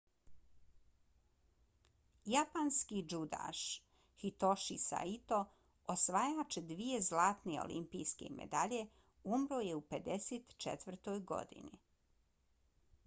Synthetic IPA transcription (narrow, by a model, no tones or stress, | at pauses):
japanskid͡ʒud̪a̰ʃ | hit̪oʃisa̰it̪o̞ | osʋajaːt͡ʃd̪ʋije̞zlaːt̪neo̰lḭmpijskḛmḛd̪aʎe̞ | umɾoje̞uped̪eseːt̪t͡ʃḛt̪ʋr̩t̪ojɡo̰d̪ḭni